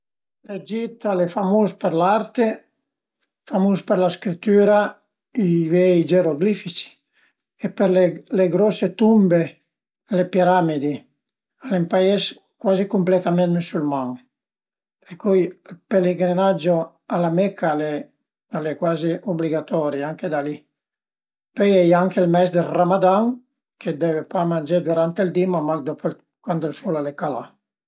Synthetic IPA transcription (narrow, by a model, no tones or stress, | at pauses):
led͡ʒit̪alefamuspeɾlaɾt̪e | famuspeɾlaskɾit̪ːyːɾa | ivɛid͡ʒeɾoɡlifit͡ʃi̥ | epeɾleleɡɾɔset̪umbe | lepiɾamid̪i | alempaɛs | kwazikumplet̪amɛnsulmaŋ | peɾkujlpeleɡɾinad͡ʒːo | alamɛkːale | alekwaːziʔobliɡat̪ɔːɾeaŋked̪ali | pɔjɛjaŋkelmɛsd̪elramad̪aŋ | kʰed̪ɛvepamand͡ʒed̪uɾant̪ild̪imamakd̪ɔpol | kwand̪osulalekala